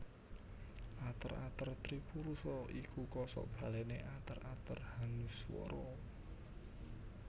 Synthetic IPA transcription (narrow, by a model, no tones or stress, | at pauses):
ʔat̪əra̰t̪ərt̪ɾipuɾusɔʔikukɔsɔ̰ʔb̥a̤leneʔat̪ərat̪ərhanuswɔ̰ɾɔ